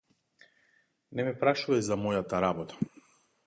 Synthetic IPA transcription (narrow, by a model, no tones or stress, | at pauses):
nɛmɛpɾaʃuvajzamɔjat̪aɾabɔt̪ḁ